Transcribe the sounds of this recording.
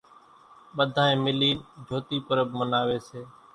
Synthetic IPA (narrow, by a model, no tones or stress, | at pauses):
ɓəd̪ʱãːẽːmɪliːnd͡ʒʱoːt̪iːpəɾəbmənaːʋeːseː